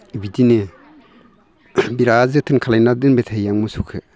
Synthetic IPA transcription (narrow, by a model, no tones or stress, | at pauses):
ibidine | biɾazɯtʰɯnkʰalajnadɯnbetʰajjaŋmɯsukʰɯ̰